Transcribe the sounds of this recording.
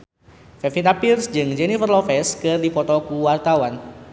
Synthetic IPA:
fɛfit̪apirsd͡ʒɨŋd͡ʒɛnifərlɔfɛskɨrdipɔt̪ɔkuwart̪awan

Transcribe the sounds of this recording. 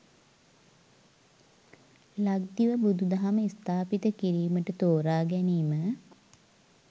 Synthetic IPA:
laɡ̚d̪iʋəbud̪ud̪aɦaməist̪aːpit̪əkiɾiːməʈət̪oːɾaːɡɛniːmə

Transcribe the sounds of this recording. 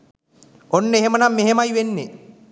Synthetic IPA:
onːəeɦemənamːeɦemajʋenːe

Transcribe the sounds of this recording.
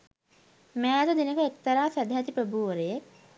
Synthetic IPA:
mæːd̪əd̪inəkəek̚t̪ɐɾaːsæd̪ɦɛt̪ipɾəbuːəɾeje

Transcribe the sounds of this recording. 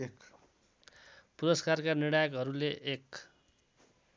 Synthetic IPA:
ek | puɾʌskarkaniɽajʌkɦʌɾuleʔːk

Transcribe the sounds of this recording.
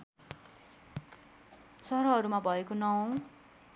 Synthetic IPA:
sʌɾʌɦʌɾumabʱʌekonʌw̃

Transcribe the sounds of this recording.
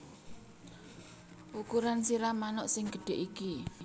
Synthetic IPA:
ʔukuɾansiɾamanɔʔsɪŋɡ̥əɖ̥e̤ʔiki

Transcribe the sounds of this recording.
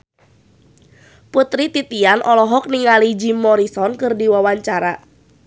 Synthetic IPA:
put̪ɾit̪it̪ianʔɔlɔɦɔk̚niŋalid͡ʒimːɔɾisɔnkɨrdiwawaɲt͡ʃaɾa

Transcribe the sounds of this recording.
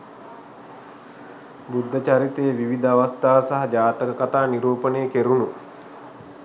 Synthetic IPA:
bud̪ʱːət͡ʃaɾit̪ejːʋiʋid̪əaʋast̪aːʋsaɦɐd͡ʒaːt̪əkəkat̪aːniɾuːpəneːkeɾunu

